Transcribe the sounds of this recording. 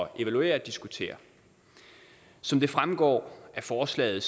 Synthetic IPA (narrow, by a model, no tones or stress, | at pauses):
ɒʔe̝ʋælue̝̰ːɐd̥isɡ̥ut͡sʰe̝̰ːɐ | sɒ̽md̥e̝fʁamɡ̥ɒ̰ːæfɒːslɛ̰ːð̩ˠs